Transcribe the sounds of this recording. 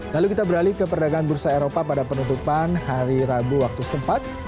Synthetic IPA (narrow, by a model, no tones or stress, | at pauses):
lalukit̪abəɾalikəpərdaɡaŋanbəɾusaeɾopapadapənunt̪upanhaɾiɾabuwak̚t̪usə̥t̪əmpat̪̚